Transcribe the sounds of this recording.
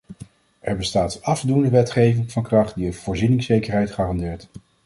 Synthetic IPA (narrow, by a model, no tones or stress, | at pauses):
ʔɛɹbəstaːtənɑfdundəʋɛtχejvɪŋvɑnkrɑχt̚diənv̥ʊːɹzinɪŋsejkəɹɦɛjtχaːrɑndɪːɹt